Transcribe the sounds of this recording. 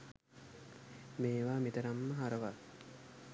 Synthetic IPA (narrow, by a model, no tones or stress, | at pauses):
meːʋaːmit̪əɾamːəɦaɾəʋa